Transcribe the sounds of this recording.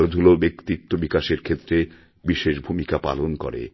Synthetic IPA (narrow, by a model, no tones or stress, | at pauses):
ld̪ʱulobekt̪it̪ːobikaʃeɾkʰet̪ːɾe | biʃeʃbʱumikapa̰lonko̰ɾḛ